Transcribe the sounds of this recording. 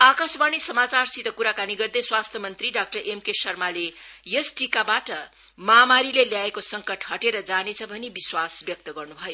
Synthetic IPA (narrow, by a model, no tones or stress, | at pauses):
akasbanisʌmat͡sarsit̪ʌkuɾakaniɡʌrd̪ʌjswast̪ʰjʌmʌnt̪riɖak̚ʈʌrʔemkesʌrmalejesʈikabaʈʌ | mamaɾileljaekosʌŋkʌʈhʌʈeɾʌd͡zanet͡sʰʌbʱʌnebiswasbjʌk̚t̪ʌɡʌrnubʱʌjo